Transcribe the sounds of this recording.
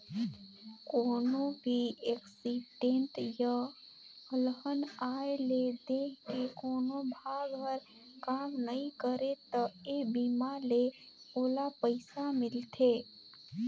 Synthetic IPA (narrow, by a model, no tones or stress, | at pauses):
koːnobʱieːksiɖẽnʈja | əlɦənaːeled̪eːkkekoːnobʱaːɡɦəɾ | kaːmnəɦĩkəɾet̪əebimale | oːlapəɪsamɪlt̪ʰe